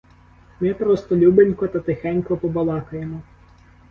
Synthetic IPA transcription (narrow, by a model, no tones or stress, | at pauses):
mɪpɾɔst̪ɔlʲubenʲkɔt̪ɐt̪ɪxɛnʲkɔpɔbɐlˠɑkɐjemɔ